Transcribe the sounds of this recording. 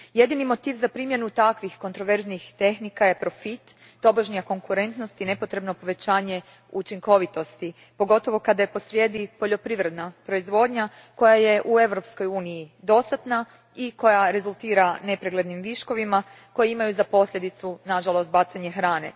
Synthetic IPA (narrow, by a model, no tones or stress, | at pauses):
je̞d̪inimo̞t̪iːʋzapɾimje̞nut̪akʋixko̞nt̪ɾo̞ʋe̞ɾznixt̪e̞xnikaje̞pɾo̞fit̪ː | o̞boʒnijako̞ŋkuɾe̞nt̪nost̪ine̞po̞t̪ɾe̞bno̞po̞ʋe̞t͡ɕaːɲe̞ | ut͡ʃiŋko̞ʋit̪o̞st̪i | po̞ɡo̞t̪o̞ʋo̞kad̪ajepo̞sɾje̞ːd̪ipo̞ʎo̞pɾiʋɾe̞d̪napɾo̞izʋo̞ːd̪ɲa | ko̞jaje̞ʔue̞ʋɾo̞psko̞juːnijid̪o̞st̪at̪na | iko̞jaɾe̞zulˠt̪iːɾane̞pɾeɡled̪nimʋiʃko̞ʋima | ko̞jeimajuzapo̞slʎʲe̞d̪it̪sunaʒalˠo̞st̪̚bat̪seaɲe̞xɾaːnḛ